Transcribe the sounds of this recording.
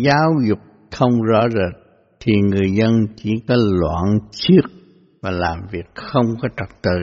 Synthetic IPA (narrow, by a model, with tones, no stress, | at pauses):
zaː˨˦wzʊ˨˩k͡p̚ | t̪ʰə˧wŋ͡mzɔ̰˧˥zə˨˩t̚ | t̪ʰi˨˩ŋɨ˨˩əjzə˧nt͡ɕi˧˩kɔ˨˦lwa̰ː˧˨nt͡ɕi˦˥ək̚ | vaː˨˩laː˨˩mvi˨˩ək̚xə˧wŋ͡mkɔ˨˦t͡ɕə˨˩k̚t̪ɨ̰˧˨